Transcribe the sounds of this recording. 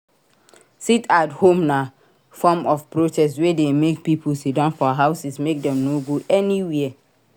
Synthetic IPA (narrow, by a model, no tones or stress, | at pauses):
sitathõmna | fɔmɔfpɹotɛsswedemek̚pipʰulsidãnfɔɦaʊsismek̚dɛ̃mnoɡoʔɛniwɛɛ